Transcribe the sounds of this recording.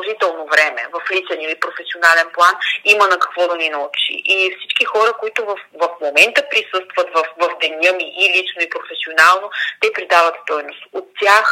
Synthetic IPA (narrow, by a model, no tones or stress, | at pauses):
ʒit̪ɛlˠnovɾɛmɛ̰vɐflit͡ʃɛniəipɾofɛsionalɛnplˠanimənɐkɐ̥kvɔd̪ɐninɐut͡ʃḭʔifsi̥t͡ʃkixɔɾəkoit̪ovɐfvɐfmomɛnt̪əpɾisɤst̪vɐt̪vɐfvɐvd̪ɛnʲɤmiʔːlit͡ʃnoipɾofɛsionalˠnot̪ɛpɾid̪avət̪st̪ɔjnost̪ot̪ːʲax